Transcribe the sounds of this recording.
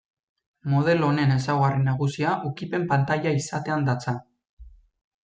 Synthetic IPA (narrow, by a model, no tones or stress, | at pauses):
mo̞ð̞e̞lo̞ne̞ne̞s̬awɣarenaɣ̞usiaʔukipe̞mpant̪aʎaisat̪e̞and̪at͡sa